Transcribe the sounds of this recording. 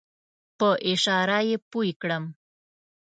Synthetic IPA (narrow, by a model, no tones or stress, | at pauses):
pəʔɪʃɑɾajepuikɽəm